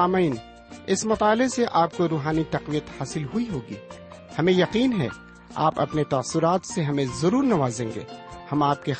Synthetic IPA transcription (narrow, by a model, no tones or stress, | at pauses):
aːmiːn | ɪsmɐt̪aːleseʔaːp̚koɾuːɦaːnit̪ɐqʋijət̪haːsɪlɦʊiɦoːɡḭː | hɐmẽjɐqiːnɦɛ̰ | a̰ːpɐ̰pnet̪aːsʊɾaːt̪seɦɐmẽzɐɾuːɾnɐʋaːzẽːŋɡḛːhɐmaːp̚ke